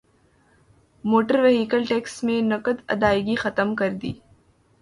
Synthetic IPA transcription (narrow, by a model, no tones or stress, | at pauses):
moːʈəɾʋeɦiːkəlʈeːksmẽnɐkəd̪ɐ̰d̪aːɪɡixɐt̪əmkɐɾd̪ḭː